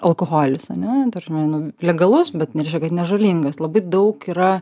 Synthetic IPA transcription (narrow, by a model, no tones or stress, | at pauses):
ɐlˠkoxoːlʲɪsɐnʲɛd̪ɐɾʒʲɪmʲɐɪnʊlʲɛɡɐlˠʊsbʲɛt̪ʲɛˑɪʃʲkʲɛkɐt̪nʲɛʒɐlʲiːŋɡɐslˠɐbɐɪd̪ɐʊkiːɾɐ